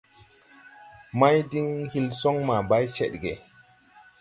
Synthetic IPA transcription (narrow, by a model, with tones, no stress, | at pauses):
ma˦jdi˦ŋhi˦lsɔ˦ŋma˨ba˦jt͡ʃɛ̰˦ɗɡe˨